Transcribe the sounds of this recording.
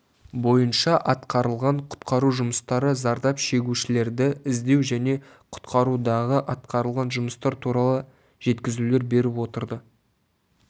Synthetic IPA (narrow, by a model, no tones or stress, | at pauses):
bo̞jənʃɑʔɑt̪qɑɾəlˠʁɑɴqʰʊ̥t̪qɑɾuʒʊməst̪ɑɾəzɑɾd̪ɑpʃe̞ɡʲuʃɪle̞ɾd̪ɪɪzd̪e̞wʒæne̞ | qʰʊ̥t̪qɑɾud̪ɑʁəʔɑt̪̚qɑɾəlˠʁɑnʒʊməst̪ɑɾt̪ʰuɾɑlˠə | ʒ̥e̞t̪kʲɪzule̞ɾbe̞ɾɪpwo̞t̪əɾd̪ə